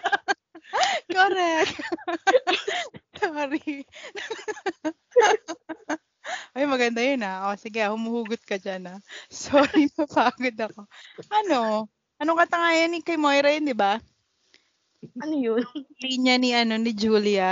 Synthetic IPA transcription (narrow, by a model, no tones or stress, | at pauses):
koɾɛk̚ | soːɾi | ʔojmɐɡɐnd̪ajonaʔosɪɡɛahʊmuhuːɡʊt̪̚kɐd͡ʒanasoːɾipɐpaːɡod̪ɐko̞ʔɐno̞ | ʔɐnoŋkɐt̪ɐŋaːjɐnɪkɐjmojɾɐjond̪ɪba | ɐnojonliːɲɐniʔɐno̞nɪd͡ʒuːlɪa